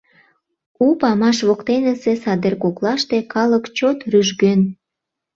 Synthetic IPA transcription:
upɑmɑʃβokt̪enə̆sesɑd̪erkoklɑʃt̪ekɑləkt͡ɕot̪ryʒɡøn

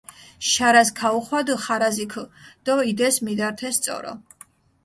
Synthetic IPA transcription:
ʃaɾaskʰauχwad̪χaɾazikʰd̪̥ɔid̪ɛsmid̪aɾt̪ʰɛst̪sʼɔ̰ɾɔ̰

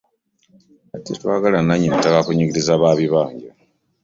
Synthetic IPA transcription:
atetwaːɡalanaɲinitakakuɲiɡiɾizaβaːβiβaːɲɟe

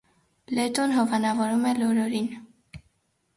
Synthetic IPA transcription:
lɛt̪ɔnɦɔvɑnɑvɔɾumɛlɔɾɔɾin

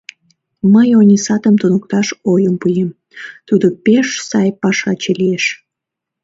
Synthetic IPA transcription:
məjonʲisɑt̪əmt̪unukt̪ɑʃojəmpujem | t̪ud̪opeʃsɑjpɑʃɑt͡ɕelieʃ

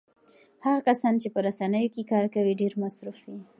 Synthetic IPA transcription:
haɣakasɑnt͡ʃepəɾasanəjokekɑɾkawiɖeɾmasɾufi

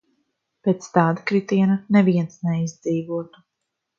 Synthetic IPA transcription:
peːt̪st̪aːd̪akɾit̪iɛnanɛviɛnsnɛizd̪ziːvuɔt̪u̥

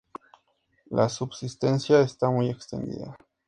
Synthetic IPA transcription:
lʔa̰subsist̪ensjaest̪amujekst̪ḛnd̪ḭða

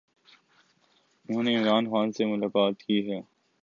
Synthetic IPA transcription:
ʊnɦõːneɪmɾaːnxaːnsemʊlaːkaːt̪kiɦɛː

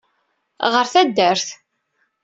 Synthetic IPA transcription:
ʁəɾθæd̪ːəɾθ

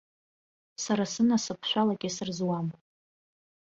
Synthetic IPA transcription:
saɾasɨnasɨpʰʃᶣʷalaɡʲɪsɨrzwam

